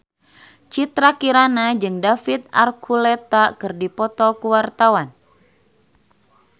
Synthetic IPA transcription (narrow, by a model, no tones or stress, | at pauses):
t͡ʃit̪ɾakiɾanad͡ʒɨŋdafit̪̚a̰rkʰulɛt̪akɨrdipɔt̪ɔkuwart̪awan